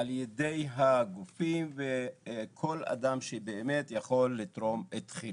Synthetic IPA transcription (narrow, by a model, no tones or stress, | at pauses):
aljede̞jɦaɡufimvekʰo̞la̰d̪amʃebeːme̞t̪jaχo̞lːit̪ʁo̞met̪χi